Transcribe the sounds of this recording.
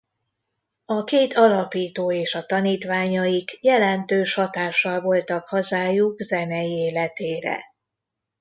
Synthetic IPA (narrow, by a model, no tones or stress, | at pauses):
ɒkeːt̪ɒlɒpiːt̪oːeːʃɒt̪ɒniːt̪ʋaːɲɒjiɡjɛlɛnt̪øːʃhɒt̪aːʃːɒlvo̞lt̪ɒkhɒzaːjuɡzɛnɛjieːlɛt̪eːɾɛ̰